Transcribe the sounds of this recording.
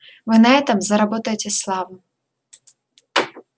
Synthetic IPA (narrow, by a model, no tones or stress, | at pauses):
vɨnɐɛt̪əmzɐɾɐbot̪əjɪtʲɪslˠɑvn